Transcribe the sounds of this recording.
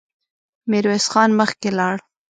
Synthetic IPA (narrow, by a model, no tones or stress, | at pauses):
meɾwesxɑnməxkelɑɽ